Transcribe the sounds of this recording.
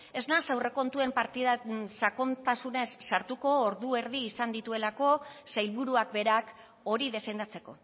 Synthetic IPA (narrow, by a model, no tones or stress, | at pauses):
e̞znasawre̞ko̞nt̪ue̞mpaɾt̪isakont̪asune̞sːaɾt̪uko̞ːɾðue̞ɾðiːsand̪it̪ue̞lako̞sajlβuɾuakbe̞ɾak | o̞ɾiðe̞fe̞nd̪at͡se̞ko̞̰